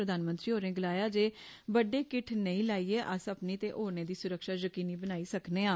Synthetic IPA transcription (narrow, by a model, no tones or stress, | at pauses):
ɾəd̪aːnmə̃nt̪ɾiːɦoːɾẽːɡəlaːjaːd͡ʒeːbəɖeːkɪʈʰnəĩːlaːiːeːʔəsəpniːt̪eːʔoːɾneːd̪iːsʊɾəkʃaːzəkiːniːbənaːiːsəkneːãː